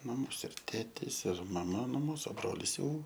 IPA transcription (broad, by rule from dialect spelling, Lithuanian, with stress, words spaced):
mɐˈmoːs ɪr ˈtʲeːtʲeːs ɪr mɐˈmɐ nʊ ˈmuːsʊ ˈbroːlʲɪs jɛʊ